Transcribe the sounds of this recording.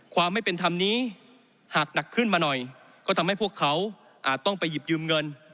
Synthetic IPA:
kʰwaː˧mːa˥˩jpe˧nt̪ʰa˧mniː˦˥˩ | haː˨˩k̚na˨˩kʰːɯ˥˩nmaː˧nɔ˨˩j | kɔː˥˩t̪ʰmha˥˩jpʰu˥˩əkʰːa˦˥w | ʔaː˨˩t̪̚ːɔ˥˩ŋpa˧jːi˨˩p̚jɯː˧mŋɤ˧n

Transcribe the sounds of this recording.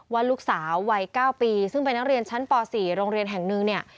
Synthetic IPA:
waː˥˩luː˦˥˩k̚saː˩˦wːa˧jkaː˥˩wpiː˧sɯ˥˩ŋpe˧nːa˦˥k̚ɾi˧ənt͡ɕʰa˦˥npɔː˧siː˨˩˦ɾoː˧ŋɾi˧ənɦɛ˨˩ŋnɯ˧ŋni˥˩ɐ

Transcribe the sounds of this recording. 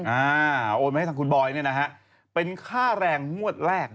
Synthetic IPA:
ʔaː˧ʔoː˧na˧˥˩t̪ʰːkʰu˧nbɔː˧jni˥˩ɐna˦˥kʰa˦˥ʔ | pe˧nkʰaː˥˩ɾɛː˧ŋːu˥˩ət̪̚ɾɛː˥˩k̚

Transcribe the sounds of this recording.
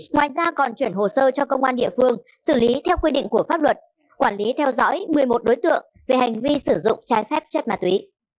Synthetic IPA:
ŋwaː˨jzaː˧kɔ˨˩nt͡ɕwi˧˩ənɦo˨˩səː˧t͡ɕɔ˧kə˧wŋ͡mʔaː˧nɗḭ˧˨əfɨ˧əŋ | sɨ˧˩li˨˦t̪ʰɛ˧wkwi˧ɗḭ˧˨ŋ̟ku˧˩əfaː˦˥p̚lwə˨˩t̚ | kwaː˧˩nli˨˦t̪ʰɛ˧wzɔ̰˧˥jmɨ˨˩əjmo˨˩t̚ɗo˨˦jt̪ɨ̰˧˨əŋ | ve˨˩ha˨˩jŋ̟vi˧sɨ˧˩zʊ̰˧˨ŋ͡mt͡ɕaː˨˦jfɛ˦˥p̚t͡ɕə˦˥t̚maː˨˩t̪wi˨˦

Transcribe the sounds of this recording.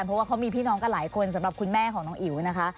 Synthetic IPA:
npʰɔ˦˥waː˥˩kʰa˦˥wmiː˧pʰiː˥˩nɔː˦˥ŋka˧˩laː˩˦jkʰo˧nsa˨˩˦ɾa˨˩p̚kʰu˧nmɛː˥˩kʰɔː˩˦ŋnɔː˦˥ŋʔi˨˩˦wna˦˥kʰa˦˥

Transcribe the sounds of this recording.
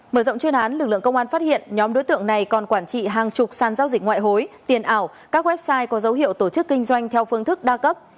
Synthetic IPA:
məː˧˩zə̰˧˨wŋ͡mt͡ɕwi˧ənʔaː˨˦nlɨ˨˩k̚lɨ̰˧˨əŋkə˧wŋ͡mʔaː˧nfaː˦˥t̚hḭ˧˨ənɲɔ˨˦mɗo˨˦jt̪ɨ̰˧˨əŋna˨˩jkɔ˨˩nkwaː˧˩nt͡ɕḭ˧˨ɦaː˨˩ŋt͡ɕʊ˨˩k͡p̚saː˨˩nzaː˧wzï˨˩k̚ŋwa̰ː˧˨jɦo˨˦jt̪i˨˩ənʔaː˧˩w | kaː˦˥k̚wɛ˦˥p̚saː˧jkɔ˨˦zə˨˦wɦḭ˧˨əwt̪o˧˩t͡ɕɨ˦˥kːï˧ŋ̟zwa˧jŋ̟t̪ʰɛ˧wfɨ˧əŋt̪ʰɨ˦˥k̚ɗaː˧kə˦˥p̚

